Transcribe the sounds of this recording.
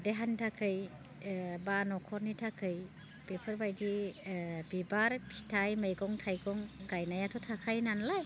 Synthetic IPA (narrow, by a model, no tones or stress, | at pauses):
deɦantʰakʰɯj | banɔkʰɔɾnitʰakʰɯj | pepʰɯɾbajdi | bibaɾpʰi̥tʰajməjɡɔŋtʰajɡɔŋɡajnajatʰɔtʰakʰajnanlaj